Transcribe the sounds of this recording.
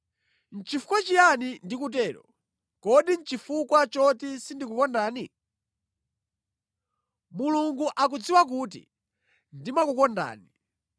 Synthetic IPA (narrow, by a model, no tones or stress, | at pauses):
n̩t͡ʃifu̥kwat͡ʃijanindikut̬ɛːɾɔ̰ | kɔɗin̩t͡ʃifukwat͡ʃɔtisindikukɔndaːni | muluŋɡuʔak̬ud͡ziwak̬uːt̬ḭ | ndimakukɔnda̰ːni